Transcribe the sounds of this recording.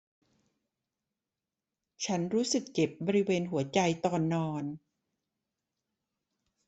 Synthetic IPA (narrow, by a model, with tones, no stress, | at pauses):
t͡ɕʰa˦˥nɾuː˦˥sɯ˨˩k̚ke˨˩p̚bɔː˧ɾi˦˥weː˧nɦu˩˦ɐt͡ɕa˧jt̪ɔː˧nːɔː˧n